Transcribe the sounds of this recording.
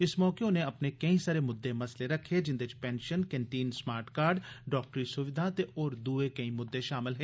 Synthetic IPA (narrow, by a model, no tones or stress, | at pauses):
ɪsmɔːkeʊneɐpnekɐĩsaɾemʊd̪ːemɐsleɾɐkʰːed͡ʒɪnd̪eɪt͡ʃpɛ̃ːnʃənkɛɳʈiːnsmaːɾʈkaːɾɖɖɔːk̚ʈɾisʊʋɪd̪ʱat̪eʔɔːɾd̪uːekɐĩmʊd̪ːeʃaːmɪlɦɛeː